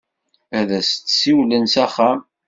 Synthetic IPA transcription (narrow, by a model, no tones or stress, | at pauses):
æðæst͡sːsiwlənsæχæm